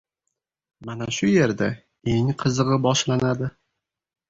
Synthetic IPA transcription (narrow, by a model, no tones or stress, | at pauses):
manaʃʊje̞ɾd̪a | e̞ŋqʰɨzɨʁɨbɒʃlanad̪ɪ